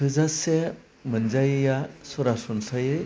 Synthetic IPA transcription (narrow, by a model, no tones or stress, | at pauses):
ɯzase | mɯnd͡ʒajɯjasɔɾasɔnsajɯ